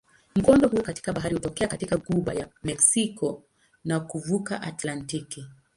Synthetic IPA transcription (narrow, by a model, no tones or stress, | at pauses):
m̩ɡɔndɔɦuːkati̥kaɓaɦaɾihutɔkɛakatikaɡuɓa̰ja̰mɛksikɔ | nakuvuka̰ʔatlantiki